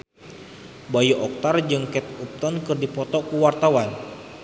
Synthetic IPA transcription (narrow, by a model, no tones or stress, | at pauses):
bajuʔɔk̚t̪ard͡ʒɨŋkɛt̪̚up̚t̪ɔnkɨrdipɔt̪ɔkuwart̪awan